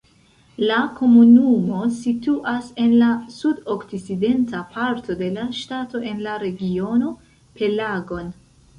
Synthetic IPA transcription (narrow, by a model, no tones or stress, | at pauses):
lako̞munumo̞situʔase̞nlasudoksiside̞ntʰapʰaɾtʰo̞de̞laʃtato̞ʔe̞nlaɾe̞ɡio̞no̞ | pe̞laɡo̞n